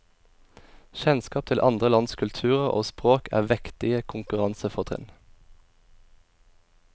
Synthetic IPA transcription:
çɛnskɑːp̚t̪ʰɪlʔɑ̰nd̪ʁəlɑnskʰʉlt̪ʰʉːʁəʁʔo̰ːspʁoːkʰæ̰ːʁʋɛkt̪ɪəkʰʊŋkʉʁɑnsəfɔt̪ʰʁɪ̰n

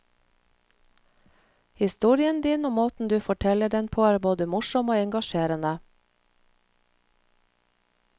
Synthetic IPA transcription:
hɪst̪uːɾɪənd̪iːnoːmoːt̪n̩d̪ʉːfɔʈʰɛləɖɛnpʰoːæːɾboːd̪əmʊʃɔmoːɛŋɡɑʃeːɾənə

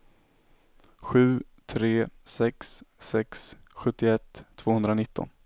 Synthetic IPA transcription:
ɧʉ̟ː | t̪ʰɾeːsɛksːɛksɧɵt̪ːɪɛt̪ʰːv̥oːhɵnd̪ɾanɪt̪ːɔ̰n

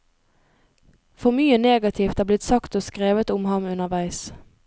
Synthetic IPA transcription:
fɔʁmyːəneːɡɑt̪ʰiːft̪hæːblɪt̪sɑkt̪oːskʁeːʋət̪ʊmhɑmʉnəʁʋæɪs

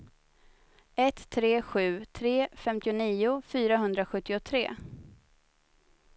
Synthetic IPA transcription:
ɛt̪ʰːɾeːɧʉ̟ːt̪ʰɾeːfɛmt̪ɪʊniːʊfyːɾaɦɵnd̪ɾaɧɵt̪ːɪʊt̪ʰɾḛː

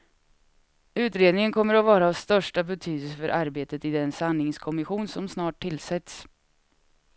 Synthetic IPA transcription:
ʉ̟ːt̪ɾeːd̪nɪŋənkʰɔmːəɾɔvɑːɾaːvst̪œʂʈabɛt̪ʰyːd̪əls̬əfœɾʔaɾbeːt̪ət̪ɪd̪ɛnsanːɪŋskʰɔmɪɧuːnsɔmsnɑːʈ̚ʰːɪlsɛt̪s

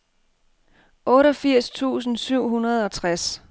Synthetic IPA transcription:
ʔɔ̽ːɾɒfiɐ̰st͡sʰṵːs̬n̩syʊ̰ɦunɐð̞ˠɒ̽t͡sʰʁas

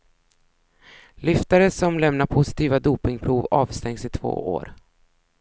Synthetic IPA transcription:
lʏft̪aɾəsɔmlɛmnaɾpʰʊsɪ̥t̪ʰiːvad̪uːpɪŋpʰɾuːvɑːvst̪ɛŋsɪt̪ʰvo̰ːo̰ːɾ

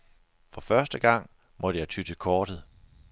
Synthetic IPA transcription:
fɒ̽fɶɐsd̥əɡ̥ɑ̈ŋ̰ | mɒ̽d̥əjɑ̈ɪt͡sʰyd̥əkʰɒːd̥ð̩ˠ

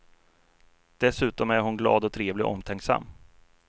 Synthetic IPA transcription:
d̪̥ɛsʉ̟ːt̪ɔmæɾɦʊnɡlɑ̰ːd̪ɔt̪ʰɾeːvlɪʔɔ̰mːt̪ʰɛŋksa̰mː

